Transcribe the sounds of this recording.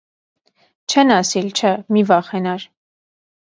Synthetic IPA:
t͡ʃʰɛnɑsilt͡ʃʰəmivɑχɛnɑɾ

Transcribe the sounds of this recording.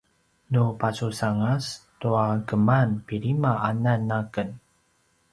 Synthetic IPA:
nupasusaŋastuaɡəmanpiɾimaananːakən

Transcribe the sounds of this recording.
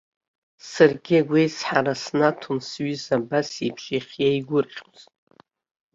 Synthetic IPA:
sarɡʲiaɡʷejsħaɾasnatʰunsɥizabasibʰʃiχʲjaiɡʷʊrχʲoztʼ

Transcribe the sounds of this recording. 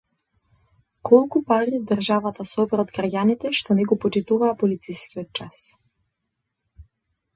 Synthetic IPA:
kʰɔlˠkupaɾid̪ɾʒavat̪asɔbɾɔd̪ɡɾaɟʲanit̪ɛʃt̪ɔnɛɡɔpɔt͡ʃit̪uvaːpɔlit̪sijskiɔt̪̚t͡ʃas

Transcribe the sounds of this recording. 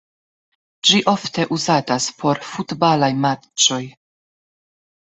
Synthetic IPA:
d͡ʒiʔo̞fte̞ʔuzataspʰo̞ɾfutbalajma | t͡ʃo̞j

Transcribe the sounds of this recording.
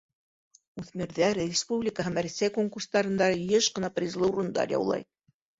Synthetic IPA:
uθmiɾðæɾrʲɪspublʲɪkəɦɤmæɾsæjkoŋkurst̪ɑɾɤ̆nd̪ɑjɘʃqɤ̆nɑpɾʲizlˠɤuɾŭnd̪ɑ̰ɾjɑ̰wlˠɑ̰j

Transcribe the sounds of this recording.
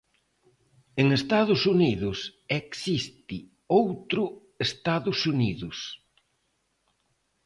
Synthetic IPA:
eŋest̪aðʊsuniðʊsɛksist̪ɪ | owt̪ɾʊ | est̪aðʊsuniðʊs

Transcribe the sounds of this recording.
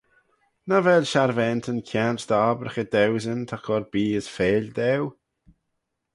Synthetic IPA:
navɛlʃaɾvɛnt̪ʰənkʰjantd̪aːbɾəxəd̪ɛwzənt̪ʰakʰɔɾbiːəsfeːlʲd̪ɛw

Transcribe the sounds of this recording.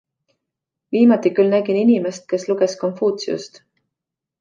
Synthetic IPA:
viːmɑt̪ːikylnæɡ̥ininime̞st̪̚ke̞sluɡ̥e̞sko̞nfuːt̪siṵst̪

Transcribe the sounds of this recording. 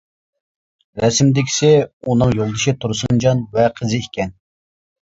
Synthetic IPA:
ɾɛsmd̪ɪkʲʰi̥sɪunɨŋjolˠd̪ɨʃit̪ʰuɾsund͡ʒɑnvɛqʰəzɪikʲɛn

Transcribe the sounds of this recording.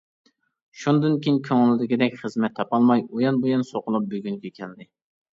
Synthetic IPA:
ʃund̪ɨnkʲijiŋkʲʰøŋlɪd̪ɪkʲd̪ɛkʲχəzmɛt̪ʰːɑpɑlˠmɑjujɑnbojɑnsoqʊlˠup̚bøɡʲyŋkʲɛkʲʰɛld̪ɪ

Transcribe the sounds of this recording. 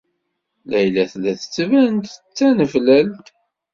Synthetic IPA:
læjlæθlæθə̥t͡sːvænt̪t͡sːænəflæl

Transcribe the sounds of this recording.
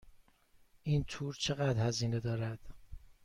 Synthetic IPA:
ʔiːnt̪ʰuːɾt͡ʃʰe̞ɣæd̪ɾhæziːned̪ɒːɾæd̪̥

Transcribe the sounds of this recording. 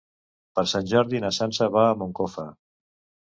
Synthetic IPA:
pəɾsanʲʒɔɾðinasansəβaːmoŋkofə̰

